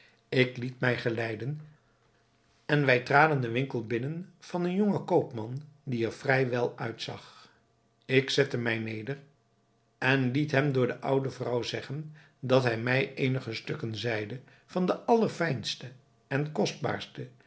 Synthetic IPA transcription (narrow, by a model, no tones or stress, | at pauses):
ɪklitmɛjχəlɛjdən | ɛnʋɛjtraːdəndəʋɪŋkəlˠbɪnənv̥ɑnənjoŋəkowpmɑndiɛɹvrɛjʋɛlˠœɥtsɑ̰χ | ɪksɛtəmɛjnejdər | ɛnlitɦɛmdʊːɹdəʔɑwdəvrɑwzɛχən | dɑtɦɛjmɛjejnəχəstɵkənzɛjdə | vɑndəʔɑləɹfɛjnstə | ɛnkɔsd̚ba̰ːɹstə